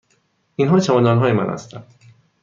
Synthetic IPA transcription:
ʔinɦɒːt͡ʃʰæmɒnd̪ɒːnɦɒːjemæ̰nhæ̰st̪ʰæ̰nd̪̥

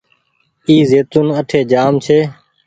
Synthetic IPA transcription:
iːzeːt̪unəʈʰeːd͡ʒaːmt͡ʃʰeː

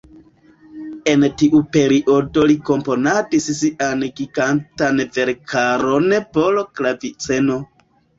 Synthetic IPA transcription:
e̞ntiʔupe̞ɾiʔo̞do̞liko̞mpo̞nadissiʔanɡiɡantanve̞ɾkaɾo̞nepoloklavit͡seno̞

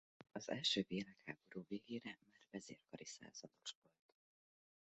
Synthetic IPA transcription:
ɒzɛ̰lʃøːveːlakhaːboɾuːveːɡeːɾɛmaːrvɛzeːrkɒɾisa̰ːz̥ɒd̪o̞ʃvo̞lt̪

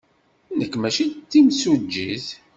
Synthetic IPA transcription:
nəkːmæʃit̪ːimsud͡ʒːiθ

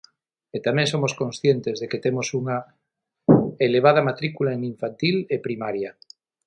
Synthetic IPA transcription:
et̪amẽŋsomoskõnsθjent̪ezðeket̪emosuŋa | eleβ̞að̞amat̪ɾikulaeŋiɱfant̪ilepɾimaɾja

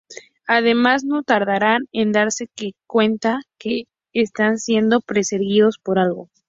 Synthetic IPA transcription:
aðe̞mazno̞t̪aɾðaɾane̞nd̪aɾse̞kekwe̞nt̪akeː | st̪ansje̞nd̪o̞pɾe̞seɾɣiðo̞spo̞ɾalɣo̞̰

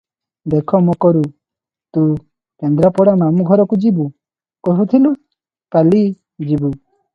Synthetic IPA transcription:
d̪ekʰɔmɔkɔɾu | t̪u | kɛnd̪ɾapɔɽanamuɡʱɔɾɔkud͡ʒibu | kɔɦut̪ʰilu | kali | d͡ʒibu

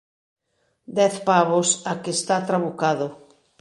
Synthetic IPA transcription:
d̪ɛθpaβosakest̪at̪ɾaβukaðʊ

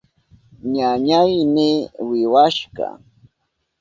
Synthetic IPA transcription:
ɲaɲajmɪwɪwaʃɢɑ̰

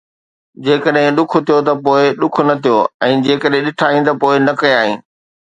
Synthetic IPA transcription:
d͡ʑeːkəɗɦɪ̃ɗʊkʰʊ̆t̪ʰijot̪ɐpoːɪɗʊkʰʊ̆nɐt̪ʰijoɛ̃ːd͡ʑeːkəɗɦɪ̃ɗɪʈʰaːĩt̪̬ɐpoːɪnɐkɐjaːɦĩː

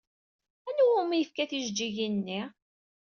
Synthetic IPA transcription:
ænuwʊmijəfkæθiʒd͡ʒːiʝinːi

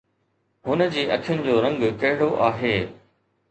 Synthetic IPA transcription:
ɦʊnə̆d͡ʑiːʔɐkʰɪjʊnɪ̆d͡ʑoːɾɐ̃ŋɡkɐɦɪɽoʔaːɦeː

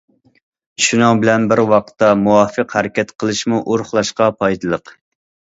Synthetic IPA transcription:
ʃunɑŋbɪlɛnbɪɾwɑqt̪ːɑmuwɑːfəqhæɾɛkʲɛt̪qʰəlˠɨʃmuʔoɾχlˠɑʃqɑpʰɑjt̪ʰlˠəq

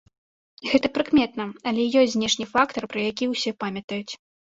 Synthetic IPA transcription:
ɣɛt̪ɐpɾɨkmʲɛt̪nɐɐlʲɛjɔsʲzʲnʲɛʂnʲifak̚t̪ɐrpɾɐjakʲiwsʲɛpamʲɐt̪ɐjut͡sʲ

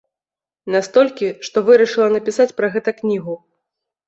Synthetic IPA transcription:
nast̪ɔlʲkʲiʂt̪ɔvɨɾɐʂɨlˠɐnɐpʲisat͡sʲpɾɐɣɛt̪ɐknʲiɣu

